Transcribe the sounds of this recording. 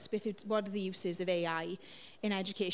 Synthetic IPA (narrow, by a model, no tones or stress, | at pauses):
sb̥ɪθəwɒtəðəjʉːsɪzəveɪaɪ | ɪ̃ñɛd͡ʒəkʰeɪ